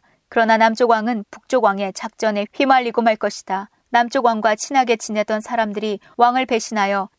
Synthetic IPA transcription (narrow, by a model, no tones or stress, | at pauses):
kɯɾʌnanamt͡ɕ͈oɡwaŋɯnpuk̚t͡ɕ͈oɡwaŋe̞t͡ɕak̚t͡ɕ͈ʌne̞ɸɥimaʎːiɡomaɭk͈ʌɕʰi̥d̥a | namt͡ɕ͈oɡwaŋɡwat͡ɕʰinɦaɡe̞t͡ɕinetʌnsʰaɾamdɯɾi | waŋɯɭpe̞ɕʰinɦajʌ